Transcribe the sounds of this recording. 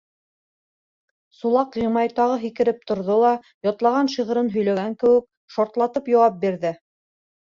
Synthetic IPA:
sulˠɑqjĭmɑjt̪ɑʁɤɦikɘ̆ɾɘp̚t̪ŏɾðolˠɑ | jɒt̪lˠɑʁɑnʃiʁɤ̆ɾɤnɦɵ̆jlæɡæŋkɘ̆wɘ̆k̚ | ʃɑɾt̪lˠɑt̪ɤpjɑwɑp̚biɾðɘ

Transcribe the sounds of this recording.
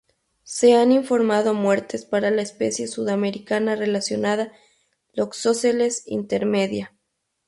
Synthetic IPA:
se̞aniɱfo̞ɾmað̞o̞mwe̞ɾt̪ʰe̞spaɾalaespe̞̰sje̞suðame̞ɾikanare̞lasjo̞naða | loksosele̞sḭnt̪e̞ɾme̞ðja

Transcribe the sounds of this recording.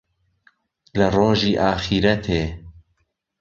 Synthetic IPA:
lɐroːʒiːʔaːxiːɾɐt̪ʰeː

